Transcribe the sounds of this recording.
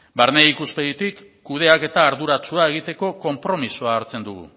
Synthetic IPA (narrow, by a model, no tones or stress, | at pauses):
baɾneikuspe̞ðit̪ikː | uð̞e̞ake̞t̪aːɾðuɾat͡ʃuae̞ɣ̞it̪e̞ko̞ko̞mpɾo̞misuaːɾt͡se̞nd̪uɣ̞ṵ